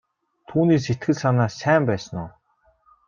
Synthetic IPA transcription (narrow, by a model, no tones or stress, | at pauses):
t̪ʰuːniːs̬et̪ɡɘ̆ɮsanaːsæːmpæːsə̆nʊː